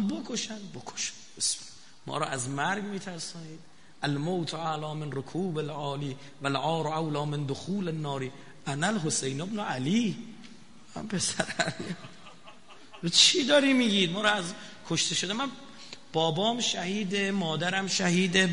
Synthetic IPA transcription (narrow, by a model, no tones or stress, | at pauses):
bokʰoʃænbokʰo̥ʃæ̥nbes | mɒ̰ːɾɒːæzmæɾɡmiːt̪ʰæɾsɒːniːd̪̥ | ʔælmowt̪ʰalɒːmenɾokʰuːbelʕɒːliː | vælʔɒːɾoawlɒːmend̪oxuːlenːɒːɾiː | ænælɦosejnobnoʔæliː | æ̰mpʰe̞sæɾæli | bet͡ʃʰiːd̪ɒːɾimiːɡiːd̪mɒːɾɒːæz | kʰoʃt̪ʰe̞ʃod̪emæn | b̥ɒːbɒːmʃæhiːd̪emɒːd̪æɾæmʃæhiːd̪e